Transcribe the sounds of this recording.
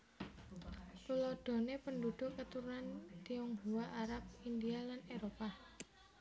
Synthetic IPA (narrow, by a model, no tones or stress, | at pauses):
t̪ulɔɖ̪̥o̤nepəndud̪̥ʊ̤ʔət̪uɾunant̪iɔŋɦuwaʔaɾap̚ind̪ialaneɾopa